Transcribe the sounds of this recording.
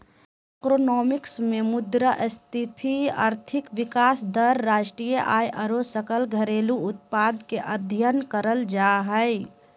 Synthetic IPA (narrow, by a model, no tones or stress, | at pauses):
ɛkɾonɔːmɪksmemʊd̪ɾəʔst̪ʰɪt̪ʰia̰ːɾt̪ʰɪkʋɪkaːsd̪əɾːaːʃʈɾijəʔaːjʔəɾosəkəlɡʱəɾeːluʊt̪̚paːd̪keʔəd̪ʱjənkəɾəld͡ʒaɦəj